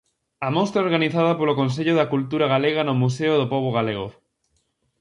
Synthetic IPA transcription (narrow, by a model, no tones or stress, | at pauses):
ɐmost̪ɾaoɾɣaniθað̞ɐpolokonseʎʊðakult̪uɾaɣaleɣ̞anʊmuseʊðopoβ̞oɣ̞aleɣo̰